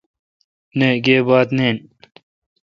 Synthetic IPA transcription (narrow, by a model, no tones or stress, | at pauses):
neːɡeːbaːt̪neːn